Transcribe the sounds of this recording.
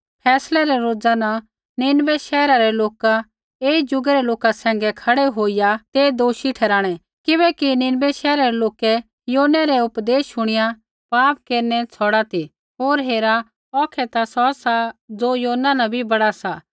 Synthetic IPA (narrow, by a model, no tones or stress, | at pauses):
pʰɛːslɛɾɛɾoːd͡zana | nɪnbɛʃɛːɾaɾɛloːka | eːid͡ʒʊɡɛɾɛloːkasɛ̃ːŋɡɛkʰɐɽɛɦoːijat̪eːd̪oːʃiʈʰɛːɾaːɽ̃ɛ | kɪbɛkinɪnbɛʃɛːɾaɾɛloːkɛ | joːnɛɾɛʊpd̪eːsʃʊɽ̃ɪja | paːp̚keːɾnɛt͡sʰɔːɽat̪i | ɦoːɾɦeːɾa | ɔːkʰɛt̪asɔsad͡zoːjoːnanabʱibɐɽasa